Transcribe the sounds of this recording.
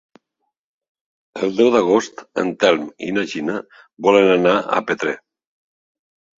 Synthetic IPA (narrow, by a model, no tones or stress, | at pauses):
əlˠd̪ɛwðaɣ̞ost̪ə̰nt̪ɛlmḭnaʒina | bɔlənanaa̰pet̪ɾe